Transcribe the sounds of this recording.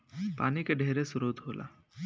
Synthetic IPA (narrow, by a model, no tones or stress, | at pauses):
paːnikeɖʱeːɾesʊɾoːt̪ɦoːlʔa̰ː